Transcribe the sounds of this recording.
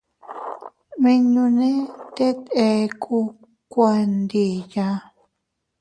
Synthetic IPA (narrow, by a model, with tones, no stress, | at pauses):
mẽ˧ɲũ˧nẽ˦t̪e˦t̪e˧kʰu˧ | kʷa˧nd̪i˧˨ja˧